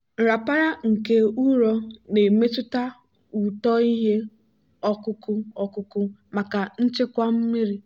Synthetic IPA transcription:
ɾa˨pa˦ɾa˦ŋ̩˨ke˦u˦ɾɔ˦ne˨me˦tʊ˦ta˦ | u˨tɔ˦i˦ɦe˦ | ɔ˦kʊ˦kʊ˦ɔ˦kʊ˦kʊ˦ma˨ka˨n̩˦t͡ʃɪ˦kʷa˦m̩˦mi˦ɾi˦

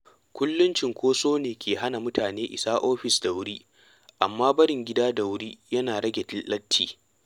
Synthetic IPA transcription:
kʷʊ˦lːʊ˦nt͡ʃɪ˨ŋkʷʰoː˦soː˦neː˨kʲeː˨ɦa˦na˨mʊ˦tʰaː˨neː˦ʔɪ̰˨saː˦ʔoː˦ɸɪ˨sda˨wʊ˦ɾiː˦ | ʔa˨mːaː˦bɐ˦ɽɪ˨ŋɡʲɪ˦daː˦da˨wʊ˦ɾiː˦jɐ˦naː˨ɽɐ˦ɡʲe˨tɪ˦llɐ˦tʰːiː˨

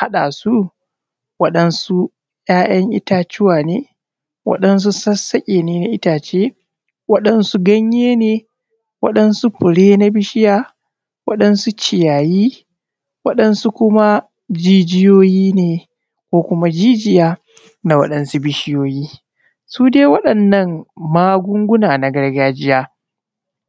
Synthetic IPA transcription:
ha˦ɗa˨su˦ | wɐ˦ɗɐ˦nsu˦ | j̰aː˦ʔɐ˦ŋʔɪ̰˦taː˦t͡ʃɪ˦waː˨neː˦ | wɐ̰˦ɗɐ˦ns̬u˦sɐ˦sɐ˦kʲʼeː˨neː˦na˨ʔɪ˦taː˨t͡ʃeː˦ | wɐ˦ɗɐ˦nsu˦ɡɐ˦ɲjeː˦neː˨ | wɐ̰˦ɗɐ˦nsu˦ɸʊ˨ɽeː˦na˦bɪ˦ʃɪ˦jaː˦ | wɐ̰˦ɗɐ˦nsu˦t͡ʃɪ˨jaː˨jiː˦ | wɐ˦ɗɐ˦nsu˦kʷʊ˦ma˦ | d͡ʒiː˦d͡ʒɪ˦joː˦jiː˦neː˨ | kʷoː˦kʷʊ˦ma˦d͡ʒiː˦d͡ʒɪ˦jaː˦ | na˨wɐ̰˦ɗɐ˨nsu˦bɪ˦ʃɪ˦joː˦jiː˦ | suː˦deː˦wɐ˦ɗɐ˨nːɐ˦˨ŋmaː˦ɡʷʊ˦ŋɡʷʊ˦naː˨na˨ɡɐ˦rɡaː˦d͡ʒɪ˦jaː˦

